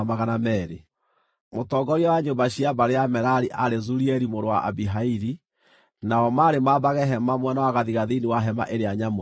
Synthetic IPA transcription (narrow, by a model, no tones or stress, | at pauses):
maɣanamɛɾe | motɔːɡɔɾiɔwaɲombaɕiabaɾeamɛɾaɾiʔaɾezuɾiɛɾimoɾowa̰ʔa̰biɦaiɾi | naɔmaɾemabaɣɛɦɛmamwɛnawaɣaðiɣaðiniwaɦɛma̰ʔeɾeaɲamo